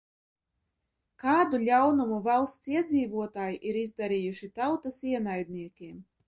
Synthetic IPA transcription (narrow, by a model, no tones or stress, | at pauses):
kaːd̪ulʲawnumuvalˠst̪siɛd̪ziːvuɔt̪aːjiʔiɾizd̪aɾijuʃit̪awt̪asiɛnajd̪nʲiɛkʲiɛm